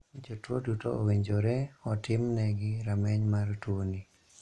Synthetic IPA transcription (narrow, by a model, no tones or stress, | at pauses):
d͡ʒotwodutooweɲd͡ʒoɾɛɔtɪmnɛɡɪɾamɛɲmartwoni